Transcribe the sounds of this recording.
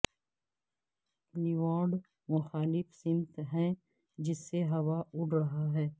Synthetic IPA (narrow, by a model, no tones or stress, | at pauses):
lɪʋaːɾɖ | mʊxaːlɪfsɪ̃nt̪ɦɛ̃ː | d͡ʒɪsːeɦɐʋaʊʈɾɐɦaɦɛː